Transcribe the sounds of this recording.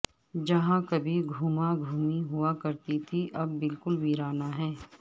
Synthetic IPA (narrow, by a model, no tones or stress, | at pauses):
d͡ʒɐɦãkɐbʱiɡʱuːmaɡʱuːmiɦʊakɐɾt̪it̪ʰiʔɐbːɪlkʊlbiːɾaːnaɦɛː